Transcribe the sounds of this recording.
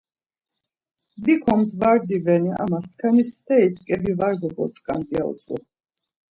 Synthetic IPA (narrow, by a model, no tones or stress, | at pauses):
bikʰɔmt̪ʰvaɾd̪ivɛnia̰maskʰanisd̪ɛit̪ʰkʼɛbivaɾɡ̪ɔɡɔsʼkʼand̪iaṵt̪t͡s̪ʼṵ